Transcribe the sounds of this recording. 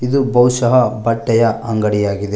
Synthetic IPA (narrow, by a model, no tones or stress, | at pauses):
id̪ubʱɐwʃɐɦɐbɐʈːɐjɐʔɐŋɡɐɽijaːɡid̪e